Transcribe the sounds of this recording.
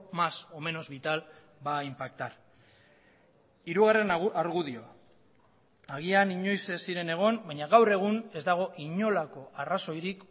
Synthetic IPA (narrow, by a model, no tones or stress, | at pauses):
maso̞me̞no̞zβit̪al | baimpakt̪aɾ | iɾuɣare̞naɾɣuðio̞a | aɣ̞ianiɲo̞jsesiɾe̞ne̞ɣ̞o̞mbaɲaɣawre̞ɣ̞une̞zd̪aɣ̞o̞ʔiɲo̞lako̞araso̞jɾik